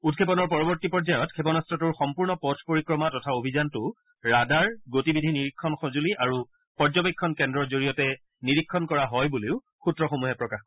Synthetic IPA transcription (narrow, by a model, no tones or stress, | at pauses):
ut̚kʰepɔnɔɹpɔɹɔbɔɹtipɔɹd͡ʒajɔtkʰepɔnɔstɹɔtuɹxɔmpuɹnɔpɔtʰpoɹikɹɔmatɔtʰaobʱizantʊ | ɹadaɹɡotibidʱiniɹikʰːɔnxɔzuliʔaɹu | pɔɹzɔbikʰːɔnkɛndɹɔɹzoɹijɔtɛ | niɹikʰːɔnkɔɹaɦɔjbuleʊ | xutɹɔxomuɦɛpɹɔkax